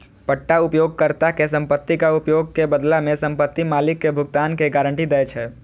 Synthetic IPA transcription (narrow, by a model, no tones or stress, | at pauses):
pəʈːaupjoɡ̚kəɾt̪akesəmpət̪ːikaupjoɡ̚kebəd̪lamesəmpət̪ːimalikːebʱuɡt̪ankeɡaɾəɳʈid̪ɛjt͡ʃʰɛ